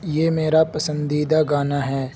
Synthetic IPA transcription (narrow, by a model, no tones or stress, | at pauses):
jeːmeːɾapɐsə̃nd̪iːd̪aɡaːnaɦɛː